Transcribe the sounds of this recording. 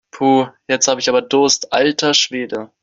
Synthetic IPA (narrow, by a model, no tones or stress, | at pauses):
pʰuːjɛt͡sthaːbəɪçʔaːbɐdʊɐstʔaltʰɐʃv̥eːdə